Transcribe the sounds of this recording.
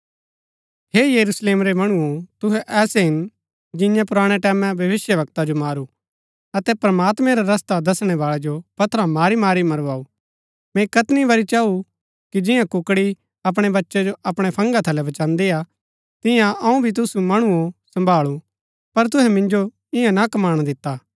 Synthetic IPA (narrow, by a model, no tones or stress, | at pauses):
heːjɐɾusleːmɾemɐɽ̃uot̪ʊɦɛʔɛːseɦɪn | d͡ʒɪ̃jãpʊɾaːɽ̃eʈɛːmɛ̃bʱjɐʋɪsjəʋɐk̚t̪ad͡ʒomaːɾu | ɐt̪ɛpɾmaːt̪mɛ̃ɾaɾɐst̪ad̪ɐsɽ̃ɛʋaːɭɛd͡ʒopɐt̪ʰɾãmaːɾimaːɾimɐɾʋaːuː | mɛ̃kɐt̪niʋɐɾit͡ʃaːu | kid͡ʒɪ̃jãkʊkɽi | ɐp̬ɽ̃ebɐtːʃɛd͡ʒoʔɐpɽ̃epʰɐ̃ŋɡat̪ʰɐlɛbɐt͡ʃãːnd̪ea | t̪ɪ̃jãʔɐũbʱit̪̬ʊsumɐɽ̃uõsɐ̃mbʱaːɭu | pɐɾt̪̬ʊɦɛmɪ̃nd͡ʒo | ɪjãnakɐmaːɽ̃d̪ɪt̪ːaː